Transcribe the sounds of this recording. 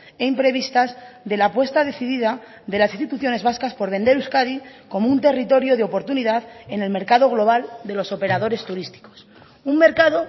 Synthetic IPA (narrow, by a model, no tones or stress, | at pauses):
e̞impɾe̞βist̪azðe̞lapwe̞st̪aðe̞θiðiða | ðe̞lasist̪it̪uθjo̞ne̞zβaskaspo̞ɾβe̞nd̪e̞ɾuskaðiko̞mount̪e̞rit̪o̞ɾjo̞ðeo̞po̞ɾt̪uniðaðe̞ne̞lme̞ɾkaðo̞ɣ̞lo̞β̞ald̪e̞lo̞so̞pe̞ɾað̞o̞ɾe̞st̪uɾist̪i̥ko̞̥s | umme̞ɾkaðo̞